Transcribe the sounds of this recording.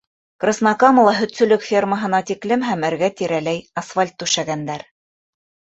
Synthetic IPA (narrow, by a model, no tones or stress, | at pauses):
krɤ̆snɑkɑm̆lˠɑɦɵ̆t̪sɵ̆lɵkfʲerməɦɤ̆nɑt̪iklɘmɦæmɘ̆ɾɡæt̪iɾælæjɑsfalʲt̪ːʉʃæɡænd̪æɾ